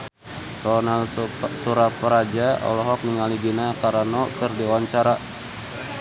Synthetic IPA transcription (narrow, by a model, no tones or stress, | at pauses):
rɔnalsuɾapəɾad͡ʒaɔ̰lɔɦɔk̚niŋaliɡinakaɾanɔkɨrdiwaɲt͡ʃaɾa